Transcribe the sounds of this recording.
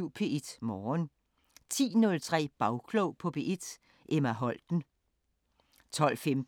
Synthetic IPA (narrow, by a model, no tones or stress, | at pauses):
ʊ̰pʰe̝ed̥mɒːn | t͡sʰḭːnɔ̽lt͡sʰʁɛ̰ːb̥ɑ̈ʊkʰloʊpʰɒ̽pʰe̝ʔed̥ | ʔemæɦɒ̽l̰d̥n̩ | t͡sʰɒ̽l̰femd̥